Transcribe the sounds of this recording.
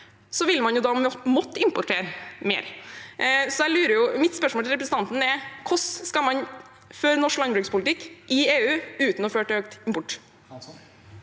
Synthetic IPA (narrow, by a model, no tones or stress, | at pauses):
sɔʋɪlmɑnjʊd̪ɑːmɔt̪ːɪmpʊʈʰeːɾmḛːɾ | sɔæɪlʉːɾəɾjʊmɪt̪spœʂmoːlɪlɾɛpɾəsən̩t̪ɑnt̪n̩ɛkʰʊsskɑlmɑn | føːɾnɔʂklɑnbɾʉːkspʊlt̪ɪkːʔɪeːʉːʉːt̪n̩ɔføːʈøːkt̪ɪmpʊʈː